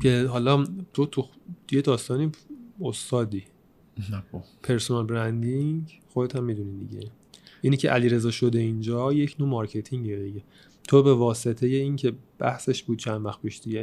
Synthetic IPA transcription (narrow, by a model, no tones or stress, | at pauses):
cʰe̞ɦɒːlɒt̪ʰot̪ʰujed̪ɒːst̪ɒːniost̪ɒːd̪i | opʰe̞ɾsonɑlbɾænd̪iŋɡxod̪et̪ʰæmːid̪unid̪ḭɟe̞̰ | ʔinicʰeʔæliɾe̞zɒːʃo̞d̪e̞ind͡ʒɒːje̞cʰnoːmɒːɾcʰe̞t̪ʰiŋɟid̪iɟe | t̪ʰobe̞vɒːse̞t̪ʰe̞je̞iːncʰe̞b̥æ̰hse̞ʃb̥uːd̪̥̚t͡ʃʰænvæxpiʃd̪̥iɟe